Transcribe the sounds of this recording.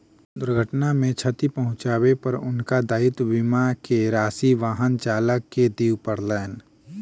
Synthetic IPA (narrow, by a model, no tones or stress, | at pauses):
d̪ʊɾɡʱəʈnamẽt͡ʃʰət̪ipɐɦʊ̃t͡ʃaːwepɐɾʊnkad̪aːɪt̪bimakeɾaːsiʋaːɦənt͡ʃaːləkːed̪iːwpəɾlɛːn